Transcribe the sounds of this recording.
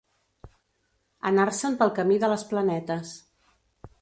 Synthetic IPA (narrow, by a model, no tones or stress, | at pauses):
ə̰narsəmpəlˠkəmiðələsplənɛt̪əs